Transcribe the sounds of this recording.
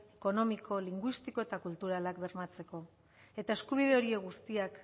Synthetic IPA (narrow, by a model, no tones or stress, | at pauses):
eko̞no̞mikʰo̞liŋɡwist̪iko̞e̞t̪akult̪uɾalakbe̞ɾmat͡se̞ko̞ | e̞t̪ae̞skuβ̞iðe̞o̞ɾieɣust̪iak